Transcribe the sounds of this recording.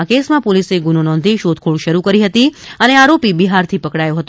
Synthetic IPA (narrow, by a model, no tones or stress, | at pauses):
akesmãpoliseɡunonɔ̃nd̪ʱiʃod̪̚kʰoɭʃəɾukəɾiɦət̪iəneaɾopibiɦaɾt̪ʰipəkɽajoɦət̪o